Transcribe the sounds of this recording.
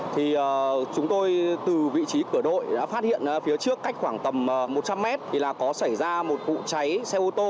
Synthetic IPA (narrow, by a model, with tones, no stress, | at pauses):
t̪ʰi˨˩ʔəː˨˩t͡ɕʊ˨˦ŋ͡mt̪o˧jt̪ɨ˨˩vḭ˧˨t͡ɕi˨˦kɨ˧˩əɗo̰˧˨jɗa̰˨˦faː˦˥t̚hḭ˧˨ənʔaː˨˦fi˨˦ət͡ɕɨ˦˥əkːa˦˥jk̟xwaː˧˩ŋt̪ə˨˩mː˨˩mo˨˩t̚t͡ɕa˧mːɛ˦˥t̚t̪ʰi˨˩laː˨˩kɔ˨˦sa˧˩jzaː˧mo˨˩t̚vṵ˧˨t͡ɕa˨˦jsɛ˧ʔu˧t̪o˧